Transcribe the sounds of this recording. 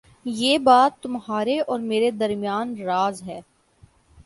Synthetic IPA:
jeːbaːt̪ːʊmɦaːɾeʔɔːɾmeːɾed̪ɐɾmijaːnɾaːzɦɛː

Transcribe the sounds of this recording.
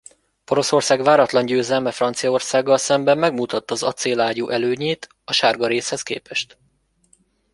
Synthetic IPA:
po̞ɾo̞so̞rsaːɡʋaːɾɒt̪lɒɲɟøːzɛlmɛfrɒnt̪sijɒo̞rsaːɡːɒlsɛmbɛmːɛɡmut̪ɒt̪ːɒːzɒt̪seːlaːɟuːʔɛløːɲeːt̪ | ɒʃaːrɡɒɾeːshɛskḛːpɛʃt̪

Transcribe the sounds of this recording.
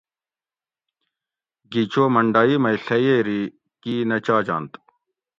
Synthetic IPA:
ɡit͡ɕoːmɐɳɖaːiːmɐiɬɐjeɾi | kiːnɐt͡ɕaːd͡ʑa̰ːnt̪

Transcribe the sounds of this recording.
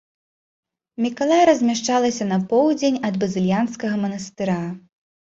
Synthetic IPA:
mʲikalˠajɐɾɐzʲmʲaʂt͡ʂalˠɐsʲɐnɐpɔwd͡zʲenʲɐd̪bɐzɨlʲjanskɐɣɐmɐnɐst̪ɨɾa

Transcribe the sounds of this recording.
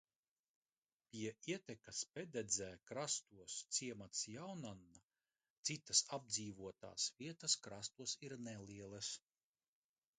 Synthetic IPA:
pʲiɛiɛt̪ɛkaspɛd̪ɛd̪zʲɛːkɾast̪uɔst̪siɛmat̪sjawnanːa | t̪sit̪ɐsab̚d̪ziːvuɔt̪a̰ːsviɛt̪ɐskɾast̪uɔsiɾnɛliɛlˠɐs

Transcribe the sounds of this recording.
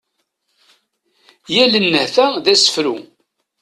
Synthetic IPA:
jælənːəhθæðæsə̥fɾṵ

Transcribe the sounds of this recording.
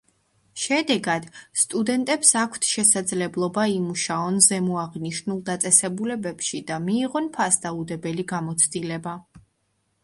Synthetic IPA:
ʃɛd̪ɛɡad̪st̪ʼud̪ɛnt̪ʼɛpsakʷʰt̪ʰʃɛsad̪zlɛblˠɔbaimuʃaɔnzɛmuaʁniʃnulˠd̪at̪sʼɛsɛbulɛbɛpʃid̪amiːʁɔnpʰasd̪aud̪ɛbɛliɡamɔt̪sʰd̪ilɛba

